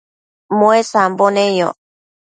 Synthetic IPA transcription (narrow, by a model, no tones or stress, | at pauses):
mõesambonẽjo̰